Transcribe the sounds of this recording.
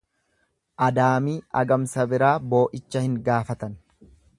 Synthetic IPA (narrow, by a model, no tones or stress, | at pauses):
ʔɐd̪aːmiːʔɐ̰ɡɐmsɐbɪɾaːbo̞ːʔɪt͡ʃːɐhɪŋɡaːfɐt̪ɐn